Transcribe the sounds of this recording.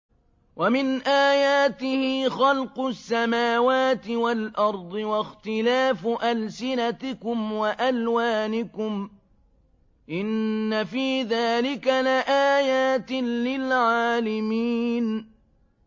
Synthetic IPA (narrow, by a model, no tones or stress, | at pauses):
wamɪnʔaːjaːt̪ɪhɪːxɑlqʊsːamaːwaːt̪ɪwalʔɑɾˤd̪ˤɨwaxt̪ɪlaːfʔalsɪnat̪ɪkʊmwaʔalwaːnɪkʊm | ʔɪnːafiːðaːlɪkalaʔaːjaːt̪ɪnːɪlʕaːlɪmiːn